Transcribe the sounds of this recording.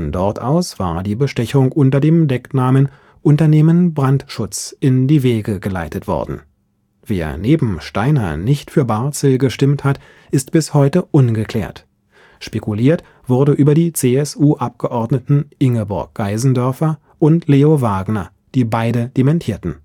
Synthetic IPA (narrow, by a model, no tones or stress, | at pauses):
fɔndɔɐtʔa̰ʊsv̥a̰ːɐdiːbəʃtɛçʊŋʔʊntɐdeːmdɛknaːmən | ʔʊntɐneːmənbʁantʃʊt͡sʔɪndiːveːɡəɡəla̰ɪtətv̥ɔ̰ɐ̰dn̩ | v̥ḛːɐneːbm̩ʃtaɪnɐ̰nɪçtfyːɐbaɐt͡səlɡəʃtɪmthat | ʔɪstb̥ɪshɔʏtəʔʊnɡəkʰl̥ɛ̰ːɐt | ʃpekuliːɐt | v̥ʊʁɐdəʔyːbɐdiːt͡seːɛsʔuːʔap̚ɡ̥əʔɔɐdnətn̩ʔɪŋəbʊɐk̚ɡ̥aɪzn̩dœɐfɐ | ʔʊntʰleːovaːɡnɐ | d̥iːbaɪdəd̥emɛntʰiːɐtn̩